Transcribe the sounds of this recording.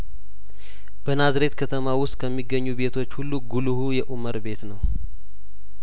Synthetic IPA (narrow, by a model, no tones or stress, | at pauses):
b̥ənazɾe̞t̪kʰət̪ʰəmawʊst̪ʼkʰəmːiɡːəɲːuβe̞t̪ʰo̞t͡ʃːhulːuɡuluhujɛʔuməɾbe̞t̪nəw